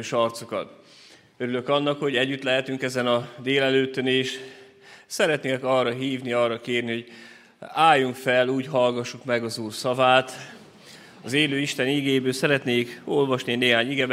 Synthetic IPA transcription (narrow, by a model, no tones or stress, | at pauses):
ʃɒrt̪so̞kɒ̰t̪ | øɾylø̞kɒnːɒkho̞ɟɛɟːyt̪lɛɦɛt̪yŋkɛzɛnɒd̪eːlɛløːt̪øneːʃ | sɛɾɛt̪neːnɛkɒːrːɒɦiːvniɒːrːɒkeːrniɦoɟ | aːjːuŋkfɛluːɟɦɒlɡɒʃːukmɛɡɒzuːrsɒvaːt̪ | ɒzeːløːiʃt̪ɛniɡeːjbøːlsɛɾɛt̪neːko̞lvɒʃnineːɦaːɲiɡɛb